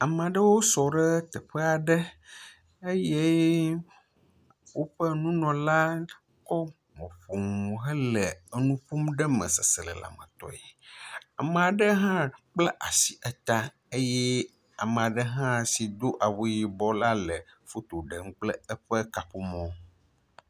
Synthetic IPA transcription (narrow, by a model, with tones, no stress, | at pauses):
a˨m̃˨a˨ɖə˦wo˦sɔ˨ɖə˦t̪ɛ˨ɸɛ˦a˨ɖə˦ | e˦je˦ | wo˦ɸə˦nũ˦nɔ̃˨la˦ | kɔ˦ | mɔ̰̃˨ɸo˨ŋ˨ɦə˦lə˨nũ˦ɸo˦mɖə˦mə̰̃˨sə˨sə˨lə̰˨la̰˨mə̰̃˨t̪ɔ̰˨e˨a˨mə̃˨a˨ɖə˦ɦã˦k͡plɛ˦ʔa˨si̥˨ʔɛ˦t̪a˦ | e˦jɛ˦ | a̰˨mə̃˨a˨ɖə˦ɦã˦si˨d̪o˦ʔa˨wo˦ji˨bɔ˦la˦lə˨fo˦t̪o˨ɖə˨ŋ̩˦k͡plɛ˦ə˦ɸə˦ka˨ɸo˦mɔ̃˦